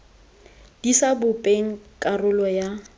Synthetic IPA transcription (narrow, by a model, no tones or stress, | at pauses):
d̥isabʊpʼeŋ̩kʼarʊlɔja